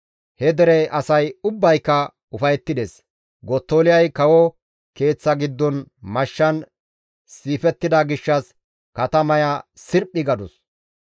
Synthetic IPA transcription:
hɛd̪ɛɾɛʔɐsɐjʊbːɐjkːɐ | ʊfɐjɛt̪ːɪd̪eːs | ɡɔt̪ːoːlɪjɐjkɐwɔ | ke̞ːt͡sːɐɡɪd̪ːɔnmɐʃːɐn | siːfɛt̪ːɪd̪ɐɡɪʃːɐs | kɐt̪ɐmɐjɐsɪɾpʼːɪɡɐd̪ɔs

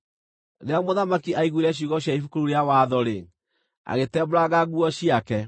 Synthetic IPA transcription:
ɾeamoðamakiʔaiɣwiɾɛɕ̬uɣɔɕjaifukoɾuɾeawaðɔɾe | a̰ɣetɛboɾaɣaɣuɔɕiakɛ

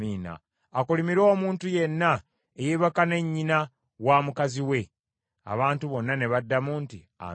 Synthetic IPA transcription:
iːna̰ː | kulimiɾo̞ːmuːntuje̞nːa | ejeβakane̞ɲːina | waːmukaziwe̞ | a̰βaːntuβo̞nːane̞βadːamuːnti | a̰

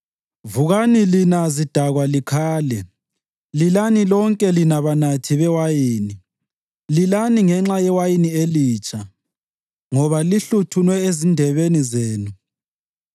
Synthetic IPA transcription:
vuɣanilinazid̥ʱaɣwalikʰaːlɛ | lilanilɔŋkʼɛlinaβanatʰiβɛwajiːni | lilaniŋɛŋ͡ǁajɛwajinieliːt͡ʃʰʼa | ŋɔβaliɬutʰunwɛezindʱɛβenizeːnu

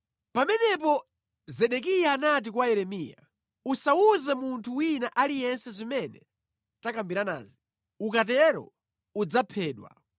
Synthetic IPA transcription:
pamɛnɛpɔ | zɛɗɛk̬ijaːnat̬ikwajɛɾɛmija̰ | usauzɛmuntʰuwinaʔalijɛnsɛzimɛnɛ̰ | takambiɾana̰ːzi | ukat̬ɛɾɔ̰ | ud͡zapʰɛːɗwa̰

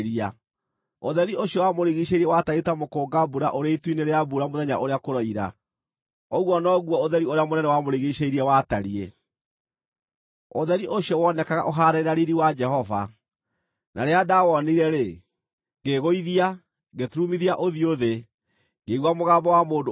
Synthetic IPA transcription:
ɾia | oðɛɾioɕjɔwamoɾiɣiɕeiɾiɛwataɾetamokoːɡabuɾa̰ʔoɾeitwineɾeabuɾamoðɛɲaʔoɾeakoɾɔiɾa̰ | ɔɣwɔnɔɣwɔoðɛɾioɾeamonɛnɛwamoɾiɣiɕeiɾiɛwataɾie | oðɛɾiʔoɕjɔwɔnɛkaɣa̰ʔoɦaɾɛeɾaɾiɾiwad͡ʒɛɦɔva̰ | nʔa̰ɾeadawɔniɾɛɾe | ɡeɣoiðia | ɡetɾumiðiaʔoðioðe | ŋɡeɣwamoɣaːmbɔwamoːdo

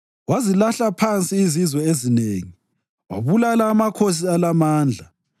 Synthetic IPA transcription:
wazilaɬapʰant͡sʼiːzizwɛezineːŋi | wa̰βulalaːmakʰos̬ialamaːnd͡ɮʱa

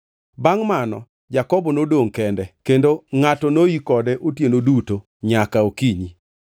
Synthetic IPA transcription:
baŋmanɔ | d͡ʒakɔbɔnodoŋkɛndɛkendoŋatɔnoikɔdɛʔotjenoduto | ɲakaokiɲi

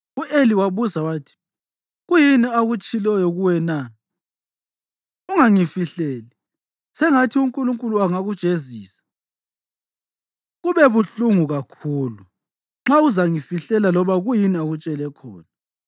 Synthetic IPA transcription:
uʔeliwaβuzawaːtʰi̥ | ɣujiniaɣut͡ʃʼilɛjɔɣuwɛna | uŋaŋifiɬɛːli | sɛŋatʰiuŋkʼuluŋkʼuluaŋaɣud̥ʒ̥ʼʱeziːsḁ | ɣuβɛβuɬuŋuɣakʰuːlu | ŋ͡ǁauzaŋifiɬɛlalɔβaɣujiniaɣut͡ʃʼɛlɛkʰɔ̰ːna

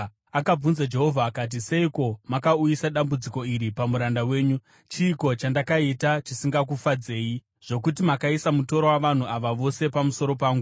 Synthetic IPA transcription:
akab͡vunzad͡ʒe̞ɦo̞vʱaːkat̬ise̞iko̞makaujisaɗambud͡ziko̞iɾipamuɾandawe̞ːɲu | t͡ʃiːko̞t͡ʃandakaitat͡ʃisiŋɡak̬ufad͡ze̞ːji | ʐ̥o̞kut̬imakaisamuto̞ɾo̞waʋan̤uaʋaʋo̞se̞pamuso̞ɾo̞paːŋɡu

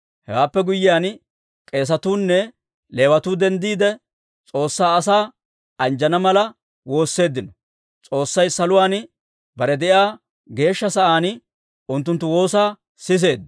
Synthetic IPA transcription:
hɛwaːpːɛɡʊjːɪjaːn | kʼe̞ːs̬ɐt̪uːnːɛ | le̞ːwɐt̪uːd̪ɛnd̪iːd̪ɛ | t͡sʼo̞ːsːaːɐsaː | ɐnd͡ʒɐnɐmɐlɐ | wo̞ːsːe̞ːd̪ːɪnɔ | t͡sʼo̞ːsːɐjsɐlʊwaːn | bɐɾɛd̪ɛʔjaː | ɡe̞ːʃːɐsɐʔaːn | ʊnt̪ːʊnt̪ːʊwo̞ːsaː | sɪs̬e̞ːd̪

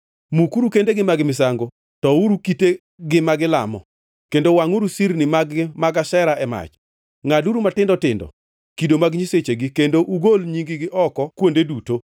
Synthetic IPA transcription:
mukuɾukendeɡɪmaɡɪmɪs̬aŋɡo | tɔuɾukite | ɡɪmaɡɪla̰mɔ̰ | kendowaŋuɾusiɾnɪmaɡɪmaɡaʃɛɾaʔɛma̰t͡ʃ | ŋaduɾumatɪndɔtɪndɔ̰ | kidomaɡɲiset͡ʃeɡikendoʔuɡolɲiŋɡɪɡɪʔɔkɔkwondeduto

